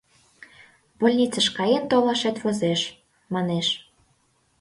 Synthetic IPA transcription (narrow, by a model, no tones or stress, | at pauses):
bolʲnʲit͡səʃkɑjent̪olɑʃet̪βozeʃ | mɑneʃ